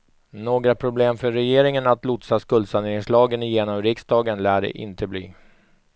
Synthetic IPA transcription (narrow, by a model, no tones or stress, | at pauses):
noːɡɾapʰɾʊbleːmfœːɛjeːɾɪŋənat̪lʊt̪saskɵld̪sand̪eɪŋslɑːɡənjeːnɔmɾɪksd̪ɑːɡənlæːɖɛ̰ʔɪ̰nt̪ʰəblḭː